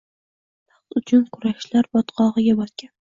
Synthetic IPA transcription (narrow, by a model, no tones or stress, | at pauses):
pɑqt̪ʊt͡ʃʰʊnkʰʊɾaʃlaɾbɒt̪qʰɒʁɨɡʲabɒt̪kʲan